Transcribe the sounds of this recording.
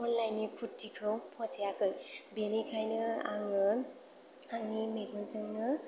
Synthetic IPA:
ɔnlajnikʰutːikʰɯwpʰɔsejakʰɯjbelikʰajnɯaŋɯ | aŋnimeɡɔnsɯŋnɯ

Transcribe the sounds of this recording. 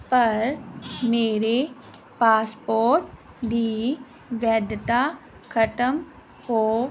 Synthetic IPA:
pɐɾmeːɾe | paːspoːɾʈ̚ | ɖiː | ʋjəd̪t̪a | kʰəʈəm | hoː

